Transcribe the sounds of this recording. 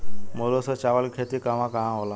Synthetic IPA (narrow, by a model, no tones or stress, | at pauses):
molosɔt͡ɕaʋəlkʰet̪ikaʋãkaɦãɦola